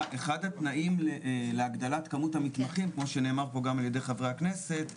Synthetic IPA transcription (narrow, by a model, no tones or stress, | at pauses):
ʔeχadat̪naʔimleʔleaɡd̪alat̪kamuthamit̪maχimkmo̞ʃene̞ːmaʁpo̞ɡamalje̞d̪e̞jχavʁeaknese̞t